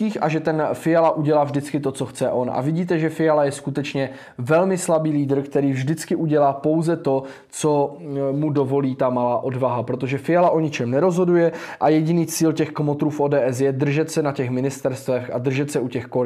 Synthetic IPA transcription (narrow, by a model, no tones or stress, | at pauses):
iːxʔaʒɛt̪ɛnfɪjalaʔuɟɛlaːvʒdɪt͡skɪt̪o̞t͡so̞xt͡sɛʔo̞nʔa̰vɪɟiːt̪̬ɛʒɛfɪjalajɛskut̪ɛt͡ʃɲɛ | vɛlmɪslabiːliːdr̩kt̪ɛɾiːvʒdɪt͡skɪʔuɟɛlaːpo̞wzɛt̪o̞ | t͡so̞mudo̞vo̞liːt̪amalaːʔo̞dvaɦapɾot̪o̞ʒɛfɪjalaʔo̞ɲɪt͡ʃɛmnɛɾo̞zɦo̞dujɛʔajɛɟɪniːt͡siːlcɛxkomot̪ɾuːfʔoːdɛːʔɛs̬jɛd̪r̩ʒɛt̪sɛnacɛxmɪnɪst̪ɛɾst̪vɛxʔad̪r̩ʒɛt̪sɛucɛxko